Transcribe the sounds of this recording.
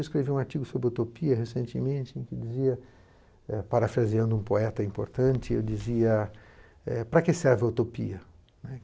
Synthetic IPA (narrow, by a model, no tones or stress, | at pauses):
wiskɾeviũaɾt͡ʃiɡʊsobɾɪut̪opiɐhesẽnt͡ʃɪmẽnt͡ʃɪẽkɪd͡ʒiziɐ | ɛpaɾafɾaziɐ̃nd̪ʊũpoɛt̪ɐĩmpo̰ɾt̪ɐ̃nt͡ʃɪḛwd͡ʒiziɐ | ɛpɾɐkɪsɛɾvɪaut̪opḭɐ | nɛ